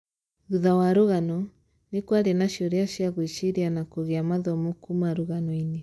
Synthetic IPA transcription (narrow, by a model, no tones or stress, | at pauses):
ɾuðawaɾoɣanɔ | nekwaɾenaʃioɾeaʃjaɣwiʃiɾianakoɣeamaðɔmokumaɾoɣanɔine